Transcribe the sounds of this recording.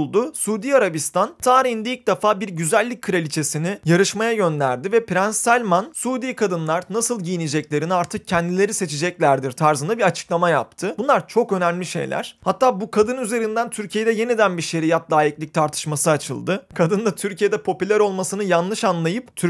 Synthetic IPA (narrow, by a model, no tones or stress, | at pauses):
lˠd̪ʊsuːd̪iːaɾabist̪ʰant̪ʰaːɾihind̪ɛilʲc̚d̪ɛfaːbiɾɟyzælʲːic̚ʲkʰːɯɾalʲit͡ʃʰe̞sinɪjaɾɯʃmajaɟø̞nd̪æ̰ɾd̪ivɛpɾænsalʲmansuːd̪iːkʰad̪ɯnlˠaɾnasɯlˠɟijinid͡ʒɛclʲe̞ɾiniaɾt̪ʰɯk̚cʰɛnd̪ilʲe̞ɾise̞t͡ʃʰid͡ʒɛclʲæɾd̪iɾt̪ʰaɾzɯnd̪abiat͡ʃʰɯ̥klˠamaja̰p̚t̪ʰɯbunlˠaɾt͡ʃʰo̞kø̞næmlʲiʃe̞̰jlʲæ̰ɾ̥hat̪ʰːaːbukʰad̪ɯnyze̞ɾind̪ænt̪ʰyɾcʰije̞d̪ɛje̞nid̪ænbiʃe̞ɾijat̪lˠaːjiclʲic̚t̪ʰaɾt̪ʰɯ̥ʃmasɯat͡ʃʰɯ̰lˠd̪ɯkʰad̪ɯnd̪at̪ʰyɾcije̞d̪ɛpʰo̞pylʲæɾo̞lˠmasɯnɯjanlˠɯʃanlˠajɯpt̪ʰy